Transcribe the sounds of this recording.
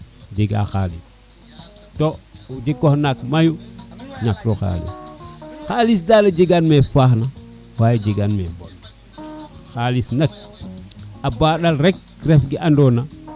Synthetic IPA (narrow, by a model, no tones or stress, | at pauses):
d͡ʒiɡa̰xa̰lḭs | tod͡ʒikːohnakmajuɲak̚toxa̰ːlḭsxalisdaːled͡ʒiɡanmefaxna | wajd͡ʒiɡanmḛmbo̰l | xalisnɐk̚ | abaɗalɾek̚ | refɡiʔandona